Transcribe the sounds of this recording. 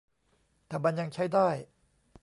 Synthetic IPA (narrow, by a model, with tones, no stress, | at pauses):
t̪ʰɛː˨˩ba˧nja˧ŋt͡ɕʰa˥˩jdaː˥˩j